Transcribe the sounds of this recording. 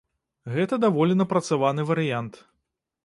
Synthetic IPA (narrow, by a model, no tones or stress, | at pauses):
ɣɛt̪ɐd̪avɔlʲinɐpɾɐt̪savanɨvɐɾɨjant̪